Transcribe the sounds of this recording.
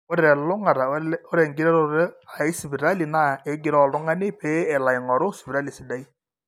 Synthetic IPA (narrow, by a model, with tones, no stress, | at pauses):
o˦ɾɾɛ˨lʊ˦ŋa˨ɾa˨o˦ɾɛ˨ŋɡɪ˦ɾɛ˦ɾo˦ɾɛ˦a˨ɪ˦sɪ˨bi˨ɾa˦li˨na˦˨e˨˦ɡɪ˨ɾɔ˨lʊ˦ŋa˦nɪ˦pe˦ɛ˨la˨ɪ˨ŋɔ˨ɾʊ˦sɪ̥˨bɪ˨ɾa˦li˨sɪ˨˦da˦i˦